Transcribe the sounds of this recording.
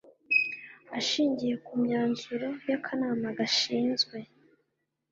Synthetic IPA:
aʃiːɲɟije̞kumɲaːnzuɾo̞jakʰanaːmaɡaʃiːnzɡwe̞

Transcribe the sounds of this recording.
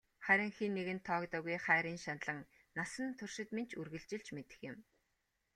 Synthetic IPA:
χæɾʲɪ̆ŋxiːnːeɣɘ̆nt̪ʰːɔːkt̪ɔːɣujχæːɾiːnʃanɮə̆ŋ | nasə̆nt̪ʰɵrʃɪ̆t̪ment͡ɕʰurɣɘ̆ɮt͡ɕɪ̆ɮt͡ɕmet̪ɘ̥̆xjɪ̆m

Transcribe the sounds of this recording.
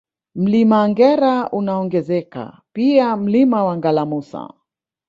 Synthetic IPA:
m̩limaːŋɡɛɾaunaɔŋɡɛzɛka̰ | piam̩limawaŋɡalamusa̰

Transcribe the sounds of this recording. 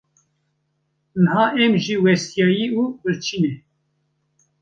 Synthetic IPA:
nhɑːʔɛmʒiːwɛst̪jɑːjiːuːbɨɾt͡ʃʰiːnɛ

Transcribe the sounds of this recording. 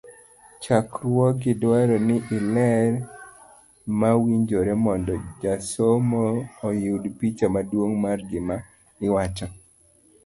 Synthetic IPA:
t͡ʃakɾwɔɡɪdwaɾɔnɪʔɪlɛɾ | mawiɲd͡ʒoɾemɔndɔd͡ʒasomoːjudpit͡ʃamadwoŋmarɡɪma | ɪwat͡ʃɔ

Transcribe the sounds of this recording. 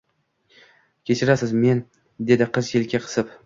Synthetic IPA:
kʲʰe̞t͡ʃʰɪɾasɪzme̞n | d̪e̞d̪ɪqʰɨzkʰʲelkʲʰaqʰɨ̥sɪp

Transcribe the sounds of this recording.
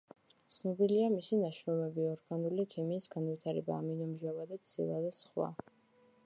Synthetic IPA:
t̪sʰnɔbiliamisinaʃɾɔmɛbiɔɾɡ̥anulikʰimiːsɡanvit̪ʰaɾɛba̰ːminɔmʒavad̪at̪sʰḭlˠad̪asχwa̰

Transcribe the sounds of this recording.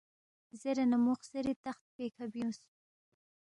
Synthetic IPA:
zeɾenamuxseɾit̪axt̪̚pekʰabios

